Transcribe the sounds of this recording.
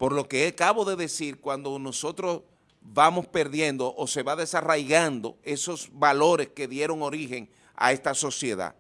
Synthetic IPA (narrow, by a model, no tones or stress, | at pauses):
po̞ɾlo̞ke̞ekaβo̞ðe̞ðe̞siɾkwand̪o̞no̞so̞t̪ɾo̞s | bamo̞spe̞ɾðje̞nd̪o̞ʔose̞βaðe̞sarajɣand̪o̞̰e̞so̞sβalo̞ɾe̞ske̞ðje̞ɾo̞ŋo̞ɾixe̞ŋ | a̰e̞st̪aso̞sje̞ða̰